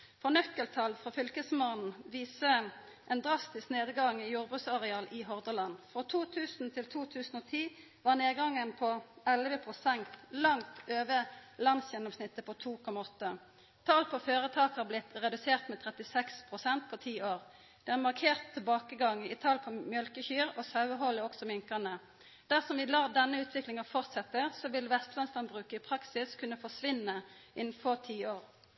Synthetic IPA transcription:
fɔnœkːəlt̪ʰɑlfʁofʏlkəsmoːnn̩ʋiːsə | ʔɛːnd̪ʁɑst̪ɪskneːd̪ɡɑŋjuːʁbʁʉt̪sɑʁɛɑːlʔɪɦɔʁd̪əlɑnfʁɔt̪ʰuːt̪ʰʉːsn̩t̪ʰɪlt̪ʰuːt̪ʰʉːsn̩oːt̪ʰiː | ʋɑːʁneːɡɑŋːənpʰɔɛlʋəpʰʁʊsɛnt̪lɑŋt̪øːʋəlɑnsjɛnːɔmsnɪt̪ːəpʰɔt̪ʰuːkʰɔmːɑɔt̪ːə | t̪ʰɑːlpʰɔføːʁət̪ʰɑːkhɑblɪt̪ʁɛd̪ʉseːʁt̪mɛːt̪ʰʁɛt̪ɪsɛkspʰʁʊsɛnt̪̚pʰɔt̪ʰiːoːʁ | d̪̥ɛæʁmɑʁkʰeːʁt̪ʰːɪlbɑːkəɡɑŋːɪt̪ʰɑːlpʰɔmjœlkəçyːɾosɑʉəɦɔləɔksɔmɪŋkɑnə | d̪̥æʁsɔmʋɪlɑːd̪ɛnːəʉːt̪ʰʋɪklɪŋɑfɔʁt̪sɛt̪ːəsɔʋɪlʋɛst̪lɛnslɑnbʁʉːkəɪpʰʁɑksɪskʰʉnːəfɔʂʋɪnːəʔɪnn̩fɔʁt̪ʰiːoːʁ

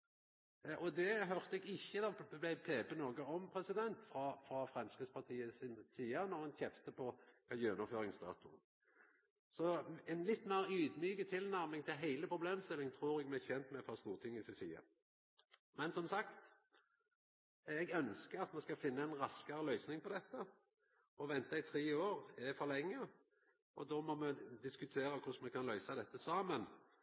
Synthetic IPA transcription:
ʔɔd̪ɛɦœʁt̪əɛɡɪçːəd̪ɑblæɪpʰeːpənoːɡəɔmpʰʁɛsɪd̪ɛnt̪fʁɑfɾɑfʁɛmskʁɪspɑʁt̪ʰiːəsɪnsiːənɔʁhɑnçɛft̪əpʰɔkʰɑjøːnɔføːɾɪŋsd̪ɑ̰ːt̪ʊ | sɔɛnlɪt̪ːmæʁyːd̪myːkət̪ʰɪlnæʁmɪŋt̪ʰɪlɦæɪləpʰʁʊbleːmst̪ɪlːɪŋt̪ʰʁuːɾɛɡmɛɪçɛnt̪mɛt̪fʰɑst̪uːʁt̪ʰɪŋːɪsɪsḭːə̰ | mɛnsɔmsɑkt̪ | ɛɡœnskəʁɑt̪mɛskɑfɪnːəɛɪnʁɑskɑɾəlœʏsnɪŋpʰɔd̪ɛt̪ːə | ɔʋɛnt̪ɑɪt̪ʰɾeːoːʁɛfɔʁlɛŋːə | ɔd̪ɔmɔmɛd̪ɪskʉt̪ʰeːɾəkʰʊsmɛkʰɑnlœʏsɑd̪ɛt̪ːəsɑːmən

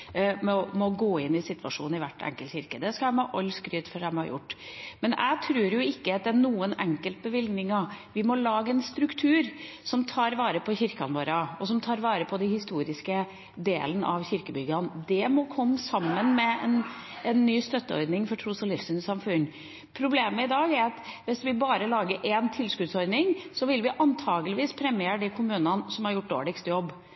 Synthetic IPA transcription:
mɛɔmɔɡoːɪnːɪsɪt̪ːʋɑʂṵːnɪʋæ̰ʈːɛ̰ŋkəlçɪɾkəd̪ɛskɑæmɑʔɔlskɾyːt̪fɔɾɖɛmhɑ̰ɾjʊ̰ʈːmɛnʔæ̰ɪt̪ʰɾʉːɾjʊɪkːəɑt̪̚d̪æɳuːənɛŋkəlt̪̚bəʋɪlɡnɪŋɑʋɪmɔlɑːɡəɛnst̪ɾʉkt̪ʰʉːɾsɔmt̪ʰɑːɾʋɑːɾəpʰɔçɪɾkɑnʋoːɾɑɔsɔmt̪ʰɑːɾʋɑːɾəpʰɔd̪ɛhɪst̪uːɾɪskə | d̪ḛːlənəʔɑʋçɪɾkəbʏɡɑnd̪ɛmɔkʰɔmːsɑmːənmɛɛn | ɛnːyːst̪œt̪ːəɔ̰ɾd̪nɪŋfɔʈʰɾusɔlɪfsənsɑmfʉnː | pʰɾʊbleːməɪd̪ɑːɡæɾɑt̪ʋɪsʋɪbɑːɾəlɑːɡəɾʔɛnt̪ʰɪlskʉd̪sɔɾd̪nɪŋsɔʋɪlʋɪʔɑnt̪ʰɑːɡəlɪʋiːspʰɾɛmɪeːɾd̪ɛkʰʊmʉːnɑnsɔmhɑɾjʊʈ̚ːd̪o̰ːɭɪkst̪jɔbː

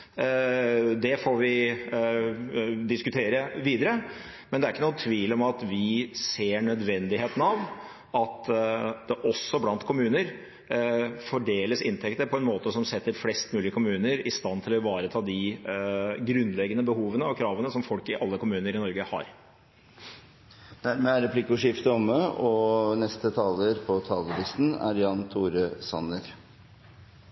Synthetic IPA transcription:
d̪ɛfoːʋɪ | d̪ɪskʉt̪ʰeːɾəʋiːd̪əɾə | mɛnd̪ɛæɾɪkːənuːt̪ʰʋiːlɔmɑt̪ʋɪseːɳœd̪ʋɛnd̪ɪɦeːt̪ən̩ɑʋ | ɑt̪d̪̥ɛʔɔsːɔblɑnt̪kʰʊmʉːnəɾ | fɔɖeːləsɪnt̪ʰɛkt̪əɾpʰɔɛnmoːt̪əsɔmsɛt̪ːəɾflɛst̪mʉːlɪəkʰʊmʉːnəɾɪst̪ɑnːt̪ʰɪlɔʋɑːɾət̪ʰɑːd̪ɪ | ɡɾʉnd̪lɛɡənəbəhuːʋənəɔkʰɾɑːʋənəsɔmfɔlkɪʔɑlːəkʊmʉːnəɾɪnɔɾɡəhɑ̰ɾ | d̪̥æɾmeæɾɛpʰlɪkʊʂɪft̪əɔməɔnɛst̪ət̪ʰɑːləɾpʰɔt̪ʰɑːləb̪ɪst̪n̩æ̰ɾjɑnt̪ʰuːɾəsɑ̰nəɾ

